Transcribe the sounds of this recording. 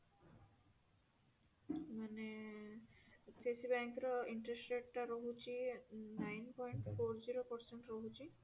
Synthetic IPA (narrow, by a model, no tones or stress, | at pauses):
mane | tʰesibɛŋkɾɔiɳʈɾesʈeʈʈaɾoɦut͡ɕinajnpɔjɳʈfoɾziɾopɔɾseɳʈɾoɦut͡ɕi